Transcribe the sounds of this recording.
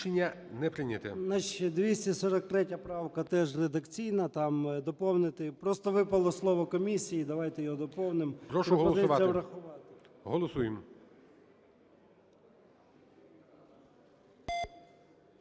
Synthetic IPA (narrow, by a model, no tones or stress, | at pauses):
enʲːɐnɛpɾɪnʲɐt̪ɛ̰nɐʃɛd̪ʋʲisʲtʲisɔɾɐk̚t̪ɾɛtʲɐpɾɑwkɐt̪ɛʒred̪ɐkt͡sʲijnɐt̪ɑmd̪ɔpɔwnɪt̪ɪpɾɔst̪ɔʋɪpɐlˠɔslˠɔʋɔkɔmʲisʲijid̪ɐʋɑjt̪ɛjɔɦɔd̪ɔpɔwnɪmpɾɔʃpɾɔɦɔlpɔzsɪʊʋɑjɐʋɾɐxʊʋɑt̪ɪ̥ | ɦɔlˠɔsujem